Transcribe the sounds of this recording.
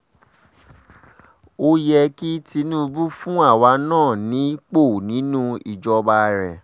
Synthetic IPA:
o˦jɛ˧ki˦ti˧nũ˦ɾu˦fũ˦a˦˨wa˧˦nãː˦˨nĩ˨˦k͡po˦˨nĩ˨˦nũ˦ḭ˨d͡ʒɔ˧ba˧˦ɾɛ˨

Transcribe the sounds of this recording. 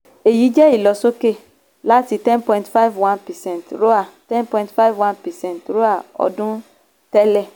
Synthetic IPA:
e˨ji˨˦d͡ʒɛ˦i˦˨lɔ˨so˦ke˦˨ | la˦ti˧tɛ̃˦npɔ̃˨ĩ˦ntfa˦vwã˦npɛ˨sɛ̃˦ntɾo˦a˨tɛ̃˦npɔ̃˧˨ĩ˦ntfa˦vwã˦npɛ˨sɛ̃˦˨ntɾo˦a˨ɔ̰˧dũ˦ | tɛ˦lɛ˦˨

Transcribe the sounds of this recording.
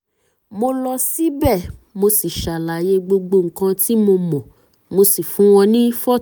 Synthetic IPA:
mo˧lɔ˧si˦bɛ˦˨mo˧si˨ʃa˨la˨je˨˧ɡ͡bo˧ɡ͡bo˧ŋ̩˨kã˧ti˦mo˧mɔ̃˨ | mo˧si˨fũ˨˦w̃ɔ̃˧nĩ˦fɔ˦

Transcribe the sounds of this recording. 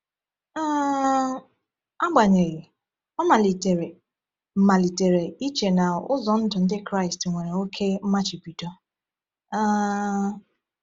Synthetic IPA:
a˦ | a˦ɡ͡ba˨ɲe˨ɣɪ˨ | ɔ˦ma˨li˨te˨ɾe˨ | m̩˨ma˨li˨te˨ɾe˨i˦t͡ʃe˨na˨ʊ̰˦zɔ˨n̩˦dʊ˨n̩˦dɪ˦kɾa˦ɪ˨stŋʷe˨ɾe˨o˦kʰe˦m̩˦ma˦t͡ʃɪ˨bi˨to˦ | a˦

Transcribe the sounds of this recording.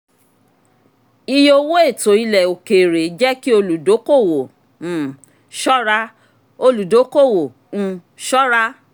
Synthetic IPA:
i˧jo˧wo˦e˦˨to˨˦i˧lɛ˨o˨ke˨ɾe˨˦d͡ʒɛ˦ki˦o˧lu˨do˨˦ko˦˨wõ˨ | ʃɔ˦ɾa˦ | o˧lu˨do˨˦ko˦˨wõ˨ | ʃɔ˦ɾa˦

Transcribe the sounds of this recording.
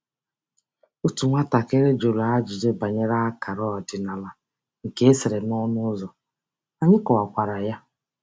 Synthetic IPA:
u˦tu˨ŋʷa˦ta˨ke˦ɾe˦d͡ʒo˨ɾu˨a˦d͡ʒi˨d͡ʒe˦ba˨ɲe˦ɾa˦a˦ka˨ɾɔ˦˨dɪ˨na˨la˨ | ŋ̩˨ke˦e˦se˨ɾe˨nɔ˦nʊ˦zɔ˨ | a˨ɲɪ˦kɔ˨a˨kʷa˨ɾa˨ja˦

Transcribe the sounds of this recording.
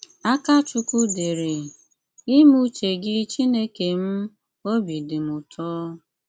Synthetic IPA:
a˦ka˦t͡ʃu˦ku˦de˨ɾe˨ | ɪ˦mu˦t͡ʃe˨ɡɪ˦t͡ʃi˦ne˦ke˨m̩˦ | o˦bi˨dɪ˨mʊ˨tʰɔː˦

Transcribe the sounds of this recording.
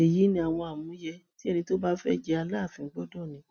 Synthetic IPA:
e˨ji˨˦nĩ˧a˨w̃ɔ̃˧a˨mũ˨˦jɛ˧ti˦ɛ˦˧nĩ˧to˦ba˦fɛ̰˦d͡ʒɛ˧˦a˧laː˦˨fĩ˧ŋ̩˦ɡ͡bɔ˦dɔ̃˦˨nĩ˨˦

